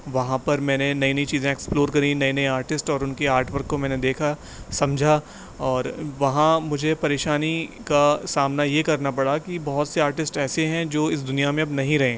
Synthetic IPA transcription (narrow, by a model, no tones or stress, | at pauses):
ʋɐɦãpɐɾmɛ̃ːnenɐinɐit͡ʃiːzẽeksploːɾkɐɾĩnɐinɐĩaːɾʈɪsʈɔːɾʊnkeaːɾʈʋəɾkːomɛ̃ːned̪eːkʰa | sɐ̃md͡ʒʱa | ɔːɾʋɐɦãmʊd͡ʒʱepɐɾeːʃaːnikasaːmnajekɐɾnapɐɽakibɐɦʊt̪seaːɾʈɪsʈɛːseɦɛ̃d͡ʒoːɪs̬d̪ʊnijamẽɐbnɐɦĩɾɐɦẽː